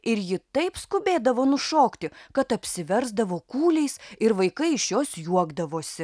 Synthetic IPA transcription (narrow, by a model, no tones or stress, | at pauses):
ɪɾjɪt̪ɐɪpskʊbʲeːd̪ɐʋoːnʊʃoːkt̪ʲɪkɐt̪ɐpʲsʲɪʋʲɛɾzd̪ɐʋoːkuːlʲɛɪsɪɾʋɐɪkɐɪɪʃjoːsjuɔɡd̪ɐʋoːsʲɪ